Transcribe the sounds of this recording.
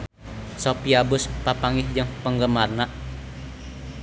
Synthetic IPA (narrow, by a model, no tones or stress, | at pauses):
sopiabʊspapaŋɪhd͡ʒəŋpəŋɡəmarnaʔ